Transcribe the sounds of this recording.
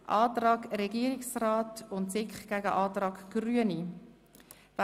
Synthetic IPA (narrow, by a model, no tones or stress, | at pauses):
ʔɑːtrɑːɡɾɛɡiːəɾiksraːtʊntsɪkχɡ̥æɡə̰ʔɑːtɾɑːɡɡ̥ɾyəni | v